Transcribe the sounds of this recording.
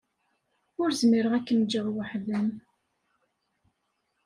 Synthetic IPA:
ʊɾzmiɾəʁækːənd͡ʒəʁwəħðəm

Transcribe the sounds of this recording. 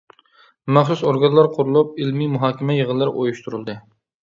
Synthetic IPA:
mæχsusoɾɡɑnlˠɑɾqʰʊɾulˠup̚ɪlmimuɦɑːkʲɪmɛjəʁənlːˠɨɾ̰ʔo̰juʃt̪ʰuɾɨlˠd̪ɨ

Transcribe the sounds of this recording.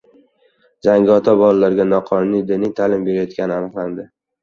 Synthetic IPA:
d͡ʒaŋɡʲɪɒt̪ʰabɒlalaɾɡʲanɒqʰɒnʊnijd̪ɪnɪjt̪ʰalɪmbe̞ɾajɒt̪kʲʰanɪanɨqlˠand̪ɪ

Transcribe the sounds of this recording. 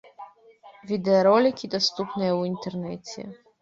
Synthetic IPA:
vʲid̪ɛɔɾɔlʲikʲid̪ɔst̪upnɛjɛuint̪ɛrnɛt͡sʲɛ̰

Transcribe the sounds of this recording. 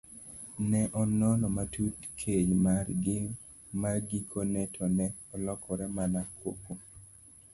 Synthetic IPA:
nɛʔɔnɔnɔmatutkʰeɲmarɡɪ | maɡikʰonɛtʰɔnɛ | ɔlɔkʰɔɾɛmanakwo̰ko

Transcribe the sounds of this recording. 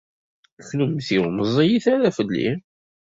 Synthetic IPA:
çlumθiwməzˤijiθæɾæfəlːḭ

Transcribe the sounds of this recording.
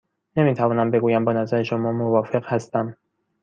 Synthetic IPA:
ne̞miːt̪ʰævɒːnæmbe̞ɡuːjæmbɒːnæzæɾe̞ʃomɒːmovɒːfe̞ɢhæst̪æm

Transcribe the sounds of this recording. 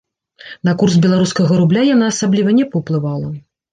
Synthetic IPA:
nɐkursbʲɛlˠaɾuskɐɣɐɾublʲajanaːsablʲivɐnʲɛpɐwplˠɨvalˠɐ

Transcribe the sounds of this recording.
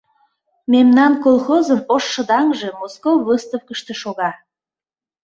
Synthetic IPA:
memnɑnkolˠxozənoʃːə̆d̪ɑŋʒe̽moskowβəst̪ofkəʃt̪eʃoɣɑ

